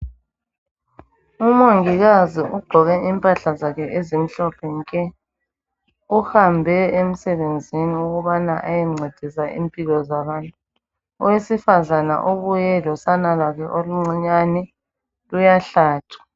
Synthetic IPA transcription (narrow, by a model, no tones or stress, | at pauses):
umoŋiɣaziʔuɡ͡ǃʱɔɣɛimpʼaɬazakʰɛʔezim̩ɬɔpʰɛŋkʼɛ | uhambʱɛem̩sɛβend͡zʱiniuɣuβanaʔajɛŋ͡ǀʱed̥ʱisaʔḭmpʼiɣɔzaβaːntʼu | ɔwesifazana̰ʔoβujɛlɔsanalwakʰɛʔoluŋ͡ǀiɲanɛ | lujaɬaːtʰḁ